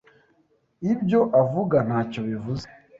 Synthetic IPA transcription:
ibjo̞ʔavuɡan̥aːco̞βivuze

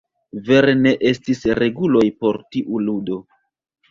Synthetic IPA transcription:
ve̞ɾene̞ʔe̞stisɾe̞ɡulo̞jpo̞ɾtiʔuludo̞

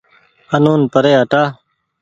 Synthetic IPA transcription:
ənuːnpəɾeːɦəʈaː

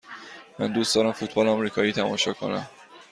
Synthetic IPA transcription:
mæ̰nd̪uːsd̪ɒːɾæmfut̪̚ʰbɒːlɒmɾiːkʰɒːjiːt̪ʰæmɒ̰ːʃɒːkʰo̞̰næ̰m

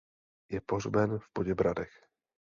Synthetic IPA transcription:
jɛporbɛnvpoɟɛbɾad̪ɛx

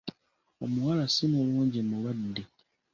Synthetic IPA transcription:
omuwalasinoluːɲɟimuwadːe

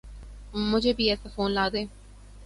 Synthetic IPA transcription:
mʊd͡ʒʱeːbʱiːɛːsaːfoːnlaːd̪ẽː

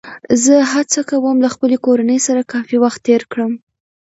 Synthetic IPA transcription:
zəhat͡sakawəmlaxpəlekoɾanəjsaɾakɑfiwaxt̪ːeɾkɽəm

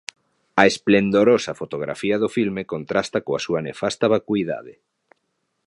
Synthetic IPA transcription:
ɐesplend̪oɾosɐfot̪oɣɾa̰fiɐðofilmekont̪ɾast̪ɐkoasuɐnefast̪aβakwiða̰ðe

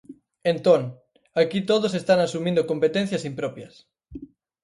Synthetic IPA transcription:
ent̪oŋ | akit̪oðʊs̬est̪aŋasumĩnd̪okompet̪ẽn̟θjɐsimpɾɔpjɐs

